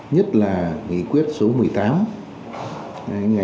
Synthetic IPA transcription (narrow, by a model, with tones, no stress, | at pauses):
ɲə˦˥t̚laː˨˩ŋḭ˧˨kwi˦˥ət̚so˨˦mɨ˨˩əjt̪aː˨˦m˧˩ | ŋa˨˩